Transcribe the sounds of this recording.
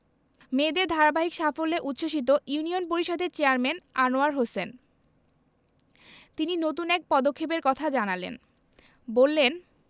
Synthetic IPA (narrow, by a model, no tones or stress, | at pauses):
med̪eɾd̪ʱaɾabaɦikʃafolːeʔut̪ːʃoʃ̬it̪̬ojunionpoɾiʃɔd̪eɾt͡ɕeaɾmenanoaɾɦosen | t̪ininot̪̬unɛk̚pɔd̪okʰːep̬eɾkɔt̪ʰad͡ʑanalḛn | bolːen